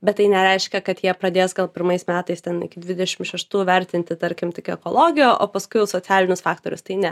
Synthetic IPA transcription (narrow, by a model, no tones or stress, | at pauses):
bʲɛt̪̚tːɐɪnʲɛɾʲɛɪʃʲkʲɛkɐt̪jiɛpɾɐd̪ʲeːsɡɐlˠpʲɪɾmɐɪsmʲæːt̪ɐɪst̪ʲɛnɪ̰kʲɪd̪ʲʋʲɪd̪ʲɛʃʲɪmʃʲɛʃt̪uːʋʲɛɾʲt̪ʲɪnʲt̪ʲɪt̪ɐɾʲkʲɪmt̪ʲɪkʲɛkoːlˠoːɡʲɪjoːʔo̰ːpɐskʊɪjɛʊsoːt͡sʲæːlʲɪnʲʊsfɑːkt̪oːɾʲʊ̰st̪ɐɪnʲɛ